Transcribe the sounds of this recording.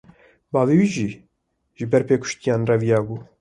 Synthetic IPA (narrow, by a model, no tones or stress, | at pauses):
bɑːveːwiːʒiː | ʒɨbɛɾpeːkʰʊ̥ʃt̪ijɑːnrɛvijɑːbuː